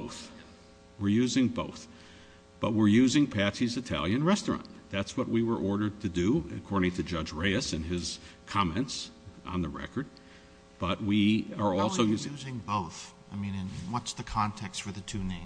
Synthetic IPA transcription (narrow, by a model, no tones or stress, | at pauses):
oʊθ | wəɹjʉzɪ̃ŋboʊθ | b̥ʌt̚wɪɹjʉzɪ̃ŋpʰæsizɨtʰæ̰lˠjɨ̃nɹɛstɹ̥ɑ̰̃nðætswʌt̚wiwə˞ʔɔɹɾə˞d̚tʰɨdɨɨ̰kʰɔɹɾɪ̃ŋtʰɨd͡ʒʌd͡ʒɹeɪɨsɨ̃nɪz̥kʰɑmɛ̃ntsʔn̩ðɨɹɛ̰kə˞d̚ | b̥ʌt̚wiə˞ɔlˠsoʊjʉzɪ̃ŋboʊθ | aɪmĩnɨ̃nwʌtsðɨkʰɑ̃ntʰɛkstfə˞ðɨtʰʉnẽɪ̃